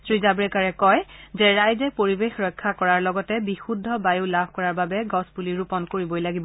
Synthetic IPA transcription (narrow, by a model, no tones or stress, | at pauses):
sɹizabɹekaɹɛkɔjzɛɹajzɛpoɹibexɹɔjkʰːakɔɹaɹlɔɡɔtɛbixudʱːɔbajulabʱkɔɹaɹbabɛɡɔspuliɹupɔnkoɹibɔjlaɡibɔ